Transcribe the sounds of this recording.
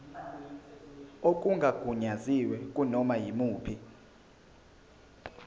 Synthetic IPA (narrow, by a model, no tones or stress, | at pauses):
ok̬ʼuŋɡʱaɡ̥ʱuɲaziwɛkʼunɔmajimuːpʰi